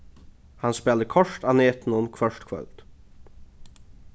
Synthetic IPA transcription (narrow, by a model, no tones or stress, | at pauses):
hanspɛːld̪əkʰɔʂt̪aːneːt̪n̩ʊnkʰvœʂt̪kʰvœ̰lt̪